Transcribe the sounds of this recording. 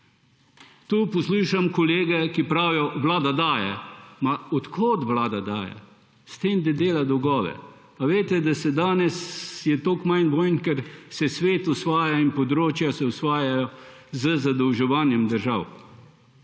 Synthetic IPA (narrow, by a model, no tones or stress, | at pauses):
t̪uːpɔsluːʃamkɔleːɡɛkipɾaːwjɔʋlaːd̪ad̪aːjɛ̰maɔt̪kʰoːt̪ʋlaːd̪ad̪aːjɛ̰ | st̪eːmd̪ɛd̪eːlad̪ɔwɡɔːʋɛ̰ | paʋeːt̪ɛd̪asɛd̪aːnɛsjɛt̪oːkmajnʋoːjnkɛɾsɛsʋeːt̪ʊsʋaːjainpɔd̪ɾoːt͡ʃjasɛusʋaːjajɔ | zəzad̪əwʒɛʋaːnjɛmd̪əɾʒaːw